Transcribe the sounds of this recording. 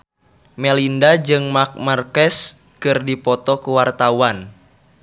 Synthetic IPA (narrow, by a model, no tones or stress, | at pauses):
mɛlindad͡ʒɨŋmak̚markɛs | kɨrdipɔt̪ɔkuwart̪awan